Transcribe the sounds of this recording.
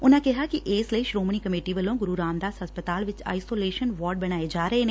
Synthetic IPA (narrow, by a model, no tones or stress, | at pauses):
ʊnãːkɪɦaːkɪʔeːsləiːʃɾoːmɳ̃iːkəmeːʈiːʋəlõːɡʊɾuːɾaːmd̪aːsəspət̪aːlʋɪt͡ʃa̰ːisoːleːʃənʋɔːɾɖ̚bəɽ̃aːed͡ʒaːɾəeːneː